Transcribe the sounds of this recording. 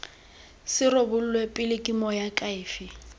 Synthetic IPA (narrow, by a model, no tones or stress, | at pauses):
sɪrobʊlʊlwepʼɪlɪkʼimɔjakʼaɪːfɪ